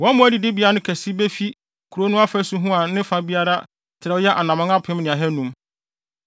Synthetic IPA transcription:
wɔ̃˨˦mʊ̃˦æ˦di˨dɪ˦bi˨˦a˦a˦nʊ̃˦kʰæ˨si˦be˦fi˦ | kʰu˨ɾo˦nʊ̃˦a˦fæ˦su˦ɦũ˦a˨nɪ̃˦fa˦bi˦a˦ɾa˦ | tʰɪ˨ɾɛ˨˦jɛ˦ʔa˨nã˨mã˦ŋa˦pʰɪ̃˦mnɪ̃˨a˨ɦɛ˦nũ˦m

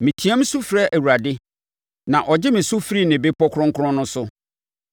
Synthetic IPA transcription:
mĩ˨tʰi˨˦ɛ˦m̩˦su˦fɾɛ˦ʔæ˨wu˨ɾa˨dɪ˦ | nã˨ʔɔ˨d͡ʑɪ˦mɪ̃˨su˦fɾi˦nɪ̃˨bɪ˦pʰɔ˦kʰɾɔ̃˦ŋ˦kʰʊ˦ɔ̃˦nʊ̃˦sʊ˦

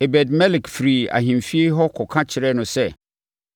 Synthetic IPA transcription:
e˨bɛ˨dmɛ˦lɪ˨kfɾi˨a̰˨ɦĩ˨m˨fi˦e˦ɦɔ˦kʰɔ˨kʰã˦t͡ɕʰɪ˨ɾɛ˦nʊ̃˨sɛ˦

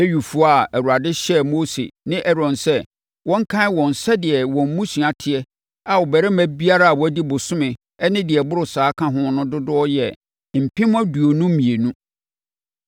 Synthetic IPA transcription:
e˦ɥu˨fu˦a˨æ˨ɾu˨a˨dɪ˦ɕɛ˦mo˦sḛ˨nɪ̃˦ʔɛ˦ɾɔ̃˨nsɛ˦ | wɔ̃˦ŋ̩˦kʰã˦ɪ˦wɔ̃˨n˨sɛ˦dɪ˨ɛ˨wɔ̃˨m̩˦mũ˦si˨a˨tʰɪ˨ɛ˦ | a˨wʊ˨bɛ˨ɾɛ˦mæ̃˨bi˦a˦ɾa˦a˨wɔ˨æ˦di˦bʊ˨sʊ̃˦mɪ̃˨ | ɛ˦nɪ̃˦dɪ˨ɛ˨bʊ˦ɾʊ˨saː˨˦kʰã˦ɦʊ̃˦nʊ̃˦dʊ˦dʊ˦ɔ˦jɛ̰˨ | m̩˨pʰɪ̃˦m˦ã˦du˨o˨nũ˦m̩˦mĩ˨e˨nũ˦

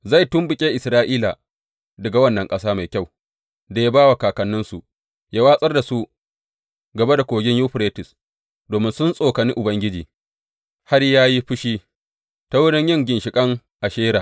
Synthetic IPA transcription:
za˦˨tʊ˦mbʊ˨kʲʼeː˦ʔɪ˨sɾaː˦ʔiː˦la̰˨ | dɐ˨ɡa˨wɐ˦nːɐ˨ŋkʼɐ˦saː˦ma˨jkʲa˦˨w | da˨ja˦baː˦wa˨kaː˨kɐ˨nːʊ˦nsu˨ | jaː˦waː˦sʼɐ˦rda˨su˦ | ɡɐ˨ba˦da˨kʷoː˨ɡʲɪ˦ɲjuː˦ɸɾeː˦tɪ˨s | doː˨mɪ˦nsʊ˦nsʼoː˨kɐ˨ni˦ʔʊ˨bɐ˦ŋɡʲɪ˦d͡ʒiː˨ | ha˦ɽjaː˦ji˦ɸʊ˦ʃiː˦ | ta˦wʊ˦ɽɪ˦ɲjɪ˦ŋɡʲɪ˨nʃɪ˨kʼɐ˦ŋ | ʔa˨ʃeː˦ɾa˨

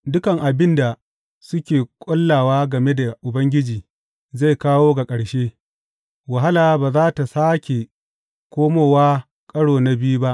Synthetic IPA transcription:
dʊ˦kɐ˨ŋʔa˨bɪ˦nda˨ | sʊ˦kʲeː˨kʷʼɔ˦lːaː˨waː˦ɡɐ˨me˦da˨ʔʊ˨bɐ˦ŋɡʲɪ˦d͡ʒiː˨ | za˦˨jkaː˦woː˦ɡa˨kʼɐ˨ɽʃeː˦ | wa˨ɦa˦laː˨˦baː˨zaː˦ta˨saː˦kʲe˨ | kʷoː˦moː˨waː˦ | kʼɐ˦ɽoː˨na˦bɪ˦ju˦ba˦ʔ

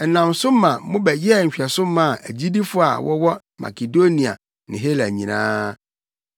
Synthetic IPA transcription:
nã˨m˨sʊ˦mã˨mʊ̃˦bɛ˨jɛ˦˨ɲ̩˨ɕᶣɛ˨sʊ̃˦mã˦˨ʔæ̰˨d͡ʑi˦di˦fʊ˦a̰˨wɔ˦wɔ˦ | mʔa̰˨ke˨do˦nĩ˨a̰˨ | nɪ̃˨ɦe˦læ˨ɲĩ˨nã̰ː˦

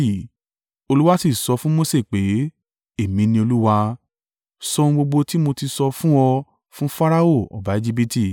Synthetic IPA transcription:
i˦˨ | o˧lu˦wa˦si˦˨sɔ˧fũ˦mo˦se˦˨k͡pe˨˦ | e˦˨mĩ˧nĩ˧o˧lu˦wa˧ | sɔ˧ũ˧ɡ͡bo˧ɡ͡bo˧ti˦mo˧ti˧sɔ˧fũ˦ɔ˧ | fũ˦fa˦ɾa˦o˦˨ɔ̰˨ba˨˦e˧d͡ʒi˦b̬i˦ti˦˨

